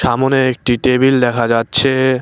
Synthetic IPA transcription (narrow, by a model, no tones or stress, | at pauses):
ʃamoneek̚ʈiʈebild̪ɛkʰad͡ʑatːɕʰe